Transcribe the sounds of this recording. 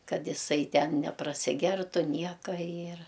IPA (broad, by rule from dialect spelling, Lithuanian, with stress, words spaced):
ˈkɐt jɪˈsɐɪ ˈtʲɛn nʲɛprɐsʲɪˈɡʲɛrtʊ ˈnʲiɛkɐ ɪr